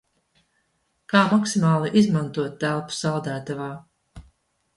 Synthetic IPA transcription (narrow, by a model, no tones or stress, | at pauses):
kaːmaksimaːlˠiʔizmant̪uɔt̪ːælˠpu̥sawd̪æːt̪avaː